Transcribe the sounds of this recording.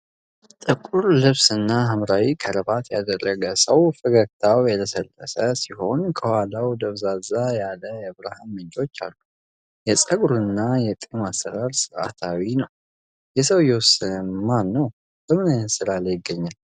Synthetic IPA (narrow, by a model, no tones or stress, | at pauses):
t̪ʼɨkʼuɾlɨβsɨnːaɦəmɾawikʰəɾəbat̪jad̪ərːəɡəsəwfɨɡəkt̪ʰawjɛt̪ʰəsəlːə̰səsiho̞nkʰəwalawd̪əβzazajaləjɛβɾahamːɨɲt͡ʃot͡ʃːa̰lːu | jɛsʼəɡɾuɨnːajɛt̪ʼemasːəɾaɾsɨɾʔa̰t̪ʰawinəw | jɛsəwjɛwɔsənəmanːow | b̥əmɨnɨsɨɾalajɪɡːəɲːal